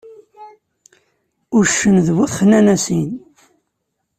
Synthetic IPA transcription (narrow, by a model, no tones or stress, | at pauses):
ʊɾʃːənðwəθχənænæsin